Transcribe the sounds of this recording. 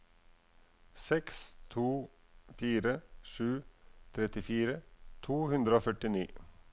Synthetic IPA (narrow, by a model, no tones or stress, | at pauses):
sɛkst̪ʰuː | fiːɾəʃʉːt̪ʰɾɛt̪ɪfiːɾət̪ʰuːhʉnd̪ɾəoːfœʈɪniː